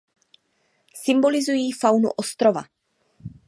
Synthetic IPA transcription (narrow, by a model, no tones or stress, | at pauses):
sɪmbo̞lɪzujiːfawnṵʔost̪ɾo̞va̰